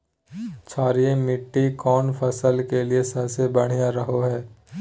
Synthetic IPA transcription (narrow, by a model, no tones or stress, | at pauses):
t͡ʃʰaːɾijẽmɪʈːikɔːnpʰəsəlkeliesɐbsebɐɽ̤ijaɾɐɦoɦɛː